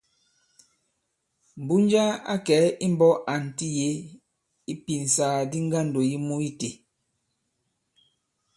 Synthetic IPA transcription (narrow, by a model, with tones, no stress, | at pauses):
m̩˨bu˦n˦d͡ʒa˦a̰˦kɛ˨˦i˦m̩˦bɔ˦ʔa˨n̩˨ti˦je˦ | i˦pi˨n˨saː˨˦˨di˦ŋ˦ɡa˦n̩˨do˨ji˦mu˦i˦te˨